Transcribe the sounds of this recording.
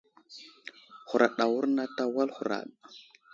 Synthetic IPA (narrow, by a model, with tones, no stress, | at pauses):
xu˨ɾa˨ɗa˨wu˦ɾna˦ta˦wa˦lxu˨ɾa̰˨ɗ